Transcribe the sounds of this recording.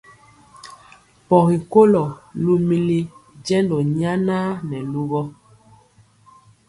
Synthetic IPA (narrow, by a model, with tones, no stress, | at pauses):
pɔ˨ɣi˨ko˦lɔ˨lu˦mi˦li˦d͡ʒɛ˦ndɔ˨ɲa˦na˦nɛ˨lu˦ɣɔ˦